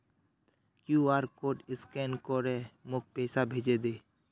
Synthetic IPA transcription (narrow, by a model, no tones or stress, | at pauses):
kjuaːɾkoːʈɪskɛnkoɾɛ̃mʊk̚pɛːsabʱeːd͡ʒed̪eː